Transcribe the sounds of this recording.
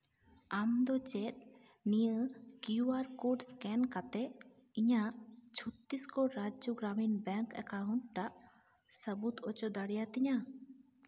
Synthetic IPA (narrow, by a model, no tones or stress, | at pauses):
amd̪ɔt͡ʃɛt̪̚ | nijəkiuaɾkoɖskɛnkat̪ɛ | iɲat͡ʃʰut̪ːiskɔɾad͡ʒjoɡɾaminbɛŋkɛ̰kaɦunʈʈaʔ | səbut̪ɔt͡ʃɔd̪aɽjat̪ɪɲa